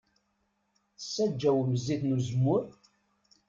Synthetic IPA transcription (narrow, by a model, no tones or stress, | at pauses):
θsːæd͡ʒːæwməzːiθnuzmːʊɾ